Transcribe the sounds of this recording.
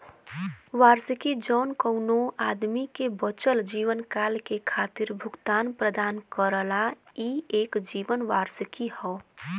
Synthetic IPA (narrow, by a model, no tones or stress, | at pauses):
ʋaɾsəkid͡ʒɔːnkəʊnoad̪mikebət͡ʃəld͡ʒiʋənkalkekʰat̪iɾbʱʊɡt̪aːnpɾəd̪aːnkəɾəla | ieːkd͡ʒiːʋənʋaɾsəkihɔ